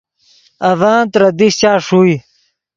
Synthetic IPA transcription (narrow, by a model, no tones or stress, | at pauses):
ɐvaːnt̪ɾɐd̪iɕt͡ɕaːʂuːj